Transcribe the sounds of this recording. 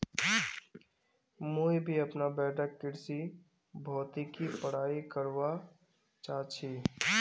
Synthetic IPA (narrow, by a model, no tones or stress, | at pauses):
muːbʱiɐpnabɛːʈəkːɪɾsi | bʱɔːt̪ikipəɽ̤aːikəɾʋa | t͡ʃaːt͡ʃʰiː